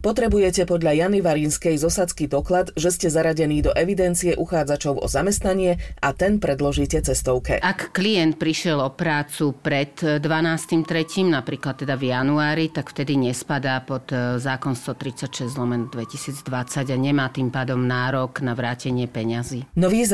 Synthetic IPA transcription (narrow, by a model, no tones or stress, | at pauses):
pɔt̪ɾɛbujɛcɛpɔd̪ʎajaniʋaɾinskɛjzɔsat͡skid̪ɔklad̪ʒɛscɛzaɾaɟɛniːd̪ɔʔɛʋid̪ɛnt͡sijɛʔuxaːd͡zat͡ʃɔʊʔɔ̰zamɛst̪naɲɪɛʔat̪ɛnpɾɛd̪lɔʒiːcɛt͡sɛst̪ɔʊkɛ̰akːlijɛnt̪̚pɾiʃɪɛlɔpɾaːt͡supɾɛt̪ːʋanaːst̪imt̪ɾɛciːmnapɾiːklat̪ːɛd̪avjanuaːɾit̪akft̪ɛd̪iɲɛspad̪aːpɔd̪zaːkɔnst̪ɔt̪ɾit͡sacʃɛzzlɔmɛnd̪ʋɛcisiːd͡zd̪ʋat͡saɟaɲɛmaːt̪impaːd̪ɔmnaːɾɔɡnaʋɾaːcɛɲɪɛpɛɲaziːnɔʋiː